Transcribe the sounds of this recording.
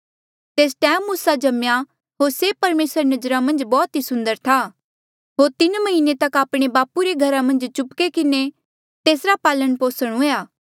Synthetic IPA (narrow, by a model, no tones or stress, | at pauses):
t̪eːsʈɛ̃ːmːʊsad͡ʒɐmja | ɦoːɾsepɐɾmeːsəɾnɐd͡ʒɾamɐ̃nd͡ʒbɔːt̪ɦisʊ̃nd̪əɾt̪ʰaː | ɦoːɾt̪ɪnmɐɦɪnet̪ɐkaːpɽ̃ebaːpuɾeɡʱɐɾamɐ̃nd͡ʒt͡ʃʊpkekɪne | t̪eːsɾapaːlənpoːsəɽ̃ũjaː